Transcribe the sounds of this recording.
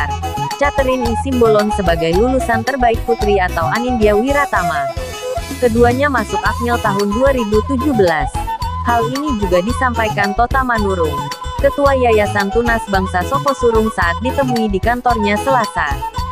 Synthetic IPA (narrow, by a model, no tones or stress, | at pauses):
t͡ʃat̪əɾɪnisimbolɔnsəbaɡajlulusant̪ərbaɪk̚fut̪ɾiat̪awʔaninbiawiɾat̪ama | kəduaɲamasʊkak̚ɲɛlt̪aɦʊnduaɾibut̪ud͡ʒubəlashalinid͡ʒuɡadisampajkant̪ɔt̪amanuɾʊŋkət̪uajajasant̪unasbaŋsasɔkɔsuɾʊŋsaʔat̪̚dit̪əmuidikant̪ɔrɲasəlasa